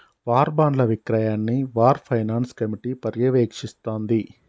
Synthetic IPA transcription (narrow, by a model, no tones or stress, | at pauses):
ʋaːɾbaːɳɖlɐʋikɾaːjaːnːiʋaːɾpʰɐjnaːnskɐmiʈipɐɾjɐʋeːkʂist̪oːnd̪i